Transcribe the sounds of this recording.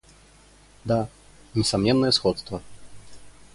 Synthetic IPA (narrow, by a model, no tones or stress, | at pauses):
d̪a | nʲɛsamnʲɛnːɐjɛsxɔt̪st̪vɐ